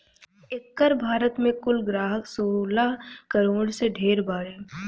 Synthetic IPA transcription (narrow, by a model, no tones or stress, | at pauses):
ɪkːəɾbʱaːɾət̪mẽkʊlɡɾaːɦəksoːlakɐɾoːɽseɖʱeːɾbaːɾeː